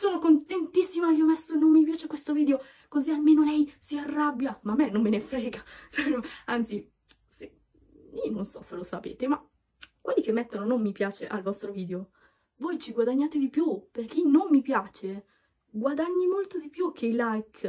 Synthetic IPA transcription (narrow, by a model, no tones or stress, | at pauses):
soːnokont̪ent̪isːimaiomɛsːonomːip̬jaːt͡ʃekwest̪oviːd̪eo | kozialmeːnolɛjsiarːabːjamamːenːomːenefɾɛːɡat͡ʃɛnoant̪si | se | iononsɔselosapḛːt̪ema | kwelːikemːet̪ːononomːipjaːt͡ʃeʔalvɔst̪ɾoviːd̪eo | vojt͡ʃiɡwad̪aɲːaːt̪ed̪ipjuperk̟inomːipjaːt͡ʃe | ɡwad̪aɲːimolt̪od̪ipjuk̟ʰːeilajk